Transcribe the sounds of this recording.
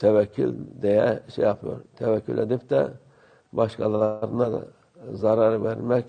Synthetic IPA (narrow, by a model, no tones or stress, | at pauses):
t̪ʰævækʲʰːylʲd̪ejæʃḛjɑpʰɯjoɾt̪ʰɛvækʰːy̰lʲʔed̪ipt̪æ̰ | bɑʃkʰɑlˠɑɾɯnad̪̰ | zɑɾɑɾvæɾmæk